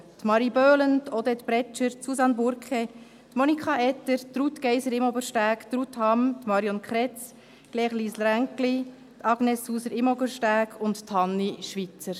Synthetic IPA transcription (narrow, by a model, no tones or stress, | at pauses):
t̪mɑɾibøːlənt̪od̪ɛt̪bɾɛt͡ʃəɾtsusɑnbʊɾkχe | t̪monikχɑɛt̪ːəɾt̪ɾut̪kɛjsəɾɪmɔbəɾʃtæːkt̪ɾut̪hɑmt̪mɑɾjɔnkχɾɛt͡s | ɡ̥lɛːχliːslɾæŋkli | t̪ʰɑɡnɛsːuːsəɾɪmobəʃtæːkʰʊntt̪ʰhɑnːiʃʋit͡səɾ